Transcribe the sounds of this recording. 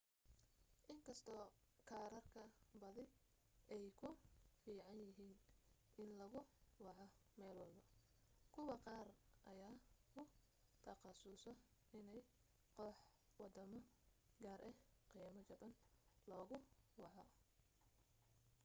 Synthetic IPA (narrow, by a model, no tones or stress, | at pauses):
ʔɪŋkʰɐst̪ʰɔː | kʰaːɾɐrkʰɐbɐðɪ | ʔɛjkʰʊfiːʕɑnjɪɦiːn | ʔɪnlɐɣʊwɑʕɔmɛːlwɑlbɐ | kʰʊwɑqɑːrʔɐjaːkʰʊ | t̪ʰɐqɑsʊsɔɪnɛj | qɔħwɑd̪ɐmɐ | ɡaːɾʔɛqijɐmɐt͡ʃɐbɐnlɔːɣʊwɑʕɔ